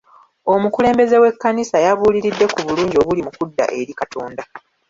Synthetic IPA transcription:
o̞mukule̞ːmbe̞ze̞we̞kːanisajaβuːliɾidːe̞kuβuluːɲɟio̞βulimukudːa̰ʔe̞ɾikatʰoːnda

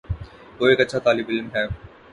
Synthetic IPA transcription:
ʋoːeːkɐtːʃʰat̪aːlɪbɪlmɦɛː

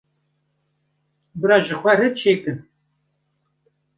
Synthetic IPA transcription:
bɨɾɑːʒəxʷɛɾɨt͡ʃʰeːkɨn

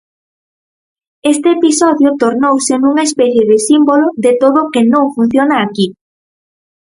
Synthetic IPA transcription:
est̪eepisɔðjʊt̪oɾnowsenuŋaespɛθjeðɪsimboloðet̪oðokɪnõŋfun̟θjonaːki

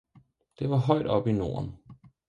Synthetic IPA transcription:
d̥e̝ʋɑ̈ɦɒ̽ɪ̰d̥ɒ̽b̥ino̝̰ːɐn

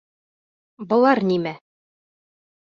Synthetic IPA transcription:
bŏlˠɑɾnimæ

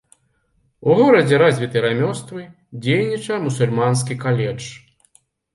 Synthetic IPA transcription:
uɣɔɾɐd͡zʲɛɾazʲvʲit̪ɨjɾamʲɔst̪vɨ | d͡zʲejnʲit͡ʂɐjmusulʲmans̬kʲikalʲɛt͡ʂ

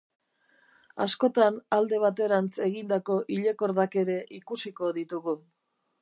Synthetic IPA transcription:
asko̞t̪anald̪e̞β̞at̪e̞ɾant͡se̞ɣind̪ako̞ʔiʎeko̞ɾðake̞ɾe̞ʔikusiko̞ðit̪uɣu

